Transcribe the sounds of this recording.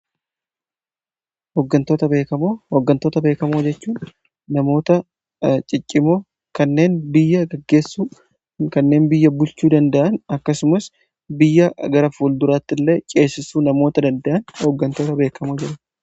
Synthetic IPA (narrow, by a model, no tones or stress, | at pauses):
hɔɡːɐnt̪oːt̪ɐbeːkɐmohɔɡːɐnt̪oːt̪ɐbe̞ːkɐmoːd͡ʒɛt͡ʃːuːnː | ɐmo̞ːt̪ɐ | t͡ʃʼɪt͡ʃʼːɪmo̞ː | kɐnːe̞ːnbɪjːɐɡɐɡːe̞ːsːuː | kɐnːe̞ːnbɪjːɐbʊlt͡ʃuːd̪ɐnd̪ɐʔɐnɐkːɐsʊmɐs | bɪjːɐɡɐɾɐfuːld̪ʊɾaːt̪ːɪlːe̞ːt͡ʃʼe̞ːsːɪsuːnɐmo̞ːt̪ɐd̪ɐnd̪ɐʔɐnhɔɡːɐnt̪o̞ːt̪ɐbe̞ːkʰɐmoːd͡ʒɛᶑɐ